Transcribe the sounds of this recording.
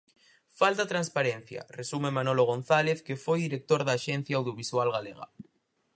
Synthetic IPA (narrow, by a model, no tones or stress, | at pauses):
falt̪at̪ɾãnspaɾen̟θja̰resumemãnoloɣ̞õn̟θaleθkefojðiɾek̚t̪oɾðaʃen̟θjaːwð̞joβ̞iswalɣaleɣa̰